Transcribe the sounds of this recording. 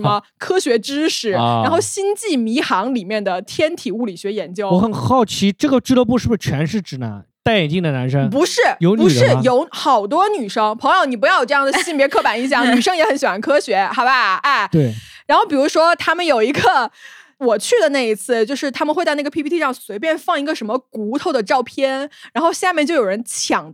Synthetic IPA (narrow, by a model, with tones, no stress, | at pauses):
ʂə˧˥mə˧ | kʰɤ˥ɕɥɛ˧˥ʈ͡ʂɻ̩˥ʂɻ̩˨˩ɻaa˧˥nxo˥˩ʊɕi˥nt͡ɕi˥˩mi˧˥xɑ˧˥ŋli˨˩mjɛ˥˩nd̪ə˩t̪ʰjɛ˥nt̪ʰi˨˩u˥˩li˨˩ɕɥɛ˧˥jɛ˧˥nt͡ɕjo˥ʊwɔ˧˥xə˨˩nxɑ˥˩ʊt͡ɕʰi˧˥ʈ͡ʂɤ˥˩ɡə˩ʈ͡ʂɻ̩˥˩lə˧˥pu˥˧ʂɻ̩˥˩˧ʂ̩˥˩t͡ɕʰɥɛ˧˥nʂɻ̩˥˩ʈ͡ʂɻ̩˨˩na̰˧˥˦n | t̪a˥˩ɪjɛ˨˩nt͡ɕi˥˩ŋd̪ə˩na˧˥nʂə˥ŋpu˧˥ʂɻ̩˥˩jo˧˥ʊpu˧˨˥ʂɻ̩˥˩jo˧˥ʊxɑ˨˩ʊt̪̬wɔ˥ny˨˩ʂɤ˥ŋpʰɤ˧˥ŋjʊni˨˩˧jɑ˥˩ʊjʈ͡ʂjɑ˥˩d̪ɕi˥˩npjɛ˧˥kʰɤ˥˩pa˨˩ni˧˥ɕjɑ˨˩ŋny˨˩ʂɤ˥ŋjɛ˧˥xə˧˥nɕi˨˩wa˧˥nkʰɤ˥ɕɥɛ˧˥xa˧˥ɪba˧˥˩t̪we˥˩ɻa˧˥nxo˥˩ʊpi˨˩ɻu˧˥ʂwɔ˥t̪ʰa˥mə˨njo˨˩ʊi˧˥ɡə˧wɔ˨˩t͡ɕʰy˥˩d̪ə˩na˥˩ɪi˧˥t͡sʰɹ̩˥˩t͡ɕjo˥˧ʊʂɻ̩˥˩t̪ʰa˥mə˧nxwɪt͡sa˥˧ɪna˥˩ə˩pʰi˥pʰi˥t̪ʰi˥˩ʂɑ˥˩ŋswe˧˥ɪp̬jnfɑ˥˩ŋi˧˥ɡə˧ʂə˧˥nmə˧ku˧˥t̪ʰo˥˩ʊd̪ə˩ʈ͡ʂɑ˥˧ʊpʰjɛ˥nɻa˧˥nxo˥˧ʊɕja˥˧mjɛ˥˧t͡ɕo˥˩jo˨˩ɻə˧˥nt͡ɕʰjɑ˨˩ŋ